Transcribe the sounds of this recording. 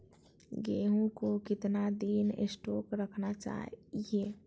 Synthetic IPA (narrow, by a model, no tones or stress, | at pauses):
ɡeːɦũkokɪt̪nad̪inḛsʈoːkɾəkʰnat͡ʃa̰ːie